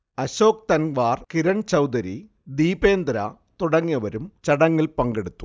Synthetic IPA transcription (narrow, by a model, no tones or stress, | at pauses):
ɐɕo̞ːk̚t̪ɐnʋaːrkiɾɐɳt͡ɕɐwd̪ɐɾi | d̪iːbe̞ːnd̪ɾɐ̰ | t̪uɽɐŋːijɐʋɐɾumt͡ɕɐɽɐŋːilpɐŋɡeɽut̪ːu̥